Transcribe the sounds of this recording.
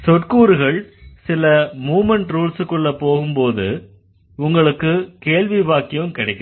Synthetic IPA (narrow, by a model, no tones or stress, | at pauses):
sɔʈkuːɾɯɣɐɭsɪlɐmuːmɛɳʈɾuːlsɯkːɯɭːɐpːoːɣɯmpoːðɯ̰ | ʊŋɡɐɭɯkːɯkeːɭʋiʋaːkːɪjɯmkɪɽɐɪkːɐ